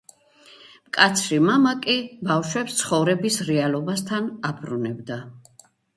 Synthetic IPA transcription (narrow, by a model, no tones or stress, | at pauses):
mkʼat̪sʰɾimamakʼibafʃwɛpst̪sʰχɔvɾɛbisɾɛalˠɔbast̪ʰanabʰɾunɛbd̪a